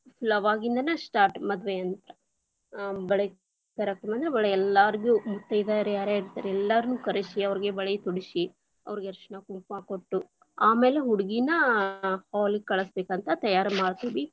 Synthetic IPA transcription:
pʰlɐʋaːɡind̪ɐnɐsʈaːɾʈmɐd̪ʋeɐnt̪ɐ | bɐɭe | kɐɾek̚ʈɐmɐnd̪ɐɾebɐɭɐɛlːaɾiɡumut̪ːɐjid̪aɾɛaːɾaːiɾt̪ːaːɾeɛlːɐɾɐnuːkɐɾisiɐʋɐɾiɡe̞bɐɭejt̪uɽisi | ɐ̰ʋɐɾiɡeɐɾʂɐɳɐkumpaːkoʈːu | aːmeːleɦuɽiɡinɐhaːlikːɐɭɐsbeːkɐnt̪ɐt̪ɐjaːɾɐmaːɽt̪uːʋi

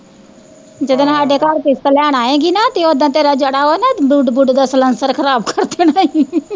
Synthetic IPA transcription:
d͡ʒəd̪nɦaːɖeːkaːɾkest̪əlaːɽ̃aːẽːɡinat̪eod̪ãt̪eːɾaːd͡ʒəɽaːonabuɖbʊɖd̪asələnsəɾkʰəɾaːbkʰəɾt̪ʰeːnaːĩ

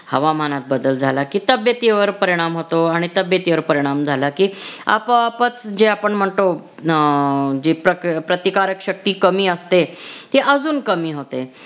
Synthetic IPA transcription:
həʋam̤anat̪̚bəd̪əld͡zʱalakiːt̪əbjət̪iʋəɾpəɾiɽ̃amɦot̪oaɽ̃it̪əbjət̪iʋəɾpəɾiɽ̃amd͡zʱalakiːa̰papət͡sd͡ʑeapəɳm̤əɳt̪o | d͡ʑepɾəkpɾət̪ikaɾəkɕək̚t̪iːkəmiːəst̪et̪eʔəd͡zuːnkəmiːɦot̪e

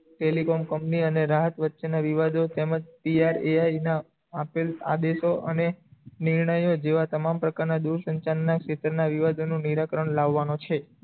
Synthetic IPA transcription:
ʈelikomkəmpniəneɾaɦət̪ʋətːʃenaʋiʋad̪ʱot̪eməd͡ʒpiaɾeajna | əpila̰d̪eʃoʔəneniɾɳəjod͡ʒeʋat̪əmampɾəkaɾnad̪uɾsəɲt͡ʃanːakʃet̪ɾənaʋiʋad̪ʱonũniɾakɾəɳlaʋːanõt͡ʃʰe

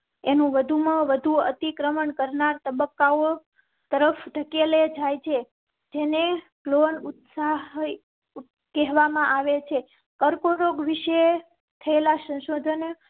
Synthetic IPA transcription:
enũʋəd̪ʱumãʋəd̪ʱuə̰t̪ikɾəməɳkəɾnaɾt̪əbəkːao | t̪əɾəfʰd̪ʱəkeled͡ʒajt͡ʃʰe | d͡ʒene | klonut̪saɦ | kɛɦʋamãʔaʋet͡ʃʰe | kəɾkoɾoɡʋiʃe | t̪ʰəelasə̃ʃod̪ʱən

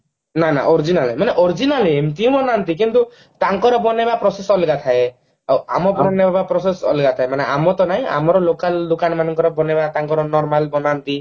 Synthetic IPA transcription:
nana̰ʔɔɾid͡ʒinalemaneʔɔɾd͡ʒinaliemʈiũbɔnant̪ik̬int̪u | t̪aŋkɔɾɔbɔnebapɾɔsesɔlɡat̪ʰae | awa̰mɔbɔɾɔnebabapɾɔsesɔ̰lɡat̪ʰaemaneamɔt̪ɔnaɦĩʔa̰mɔɾɔlokald̪ukanɔmanɔŋkɔɾɔbɔnebat̪aŋkɔɾɔnɔɾmalbɔnant̪i

